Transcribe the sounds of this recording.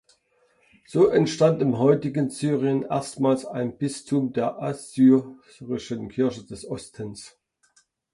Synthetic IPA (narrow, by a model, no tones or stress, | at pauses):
z̥oːʔɛntʃtantɪmɦɔʏtɪɡənzyːʁiənʔḛːɐstmaːlsaɪnb̥ɪstʰʊmdeːɐʔazyː | ʁɪʃənkʰɪɐçəd̥ɛsʔɔstʰəns